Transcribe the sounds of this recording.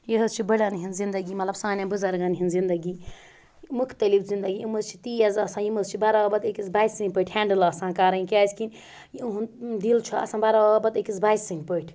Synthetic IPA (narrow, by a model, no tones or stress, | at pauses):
jiɦəst͡ʃʰibəɽɐnɦinzind̪əɡimɐt̪lɐbsãːnabuzɐɾɡɐnɦinzind̪ɐɡi | mukʰt̪ɐlipʰzind̪ɐɡiiməzt͡ʃʰi̥t̪iɐzɐsãjiməzt͡ʃʰibaɾabɐd̪ekizbaːjsɨnʲpəʈʰhɛːɳɖəlɐsãːkaɾɐinkaskinʲ | ɦund̪ilt͡ʃʰuɐ̰sãnbaɾabɐd̪ekizbaːjsɨnʲpəʈʰ